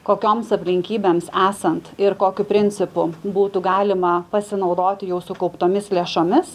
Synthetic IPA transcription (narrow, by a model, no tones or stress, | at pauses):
koːkʲoːmsɐpʲlʲɪŋʲkʲiːbʲeːmsæːsɐnt̪ɪɾkoːkʲʊpʲɾʲɪnʲt͡ssʲɪpʊbuːt̪ʊɡɑːlʲɪmɐpɐsʲɪnɒʊd̪oːt̪ʲɪjɛʊsʊkɐʊpt̪oːmʲɪslʲeɛʃoːmʲɪs